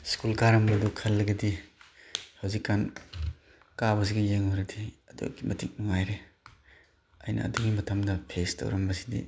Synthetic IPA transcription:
skulkaɾɐmbɐdukʰɐlːɐɡidi | hɐwzikːan | kabɐs̬iɡijeŋɔjɾɐdiɐdṵkimʔɐtik̚nuŋajɾe | ɐ̰jnɐ̰ːduŋimɐtʰɐmdɐpʰestɐ̰wɾɐmbɐsi̥dḭ

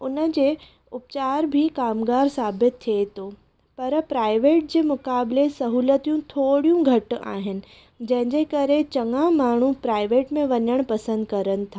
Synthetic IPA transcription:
ʊnə̆d͡ʑeː | ʊpt͡ɕaːɾbʱikaːmɡaːɾsaːbɪt̪ʰːiet̪ʰoː | pɐɾpɾaːɪʋeːʈ̚d͡ʑeːmʊkaːblesɐɦuːlət̪ijũt̪ʰoːɽijũɡʱɐʈa̰ːɦɪnɪ̆ | d͡ʑɐ̃ɦɪ̃ɲd͡ʑekɐɾet͡ɕɐŋãmaːɳ̤ũpɾaːɪʋeːʈmẽʋɐɲəɽ̃pɐsə̃nd̪kɐɾənɪ̆t̪ʰaː

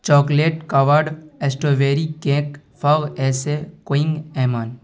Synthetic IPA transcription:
t͡ʃɔːkleːʈkɐʋəɾɖesʈoːʋeːɾikẽːk | fɐɣɛːsekoɪ̃ŋɡɛːmaːn

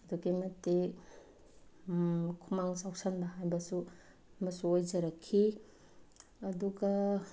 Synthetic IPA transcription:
duɡimɐte | kʰumaŋsawsanbɐɦajbɐsu | mɐsuojd͡ʒɐɾɐkʰːi | ɐduɡa

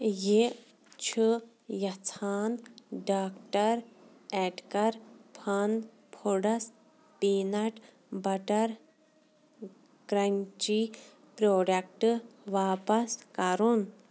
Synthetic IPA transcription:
je | t͡ʃʰɨ | jɐt͡sʰaːnɖaːkʈɐɾ | ɛʈkɐɾpʰɐn | pʰoɽɐs | piːnɐʈ | bɐʈɐɾ | ɡ̥ɾɐnt͡ʃi | pɾoːɖɐk̚ʈɨʋaːpɐskɐɾun

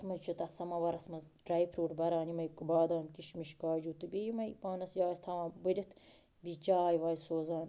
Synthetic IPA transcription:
t̪mɐt͡ʃʰut̪ɐt̪sɐmɐʋɐɾɐsmɐzɖɾɐjpʰɾuːʈbɐɾaːnimɐjkɨbaːd̪aːmkiʃmiʃkaːd͡ʒuːt̪ɨbijimɐjpaːnɐsjaːsʲt̪ʰɐʋãːbɨɾʲit̪ | bit͡ʃaːjʋaːlʲsoːzaːn

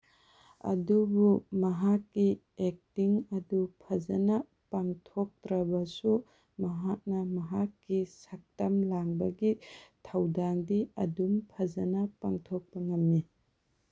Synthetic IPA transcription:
ɐ̰dubumɐɦakːi | ek̚tiŋɐdupʰɐzɐnɐ | paŋtʰok̚tɾɐbɐsu | mɐɦak̚nɐmɐɦakːisak̚tɐmlaŋbɐɡitʰɐwdaŋdiɐ̰dumpʰɐzɐnɐpaŋtʰok̚pɐŋɐmːi

